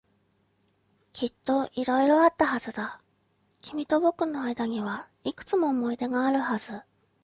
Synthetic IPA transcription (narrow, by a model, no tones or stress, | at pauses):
kʲit̪ːo̞ʔiɾo̞iɾo̞at̪ːahazɨd̪a | kʲimʲit̪o̞bo̞kɯ̟nːo̞aid̪aɲ̟iβa | ikɯ̟̥t͡sɨmo̞ːmo̞id̪e̞ɡaːɾɯ̟haz̥ɨ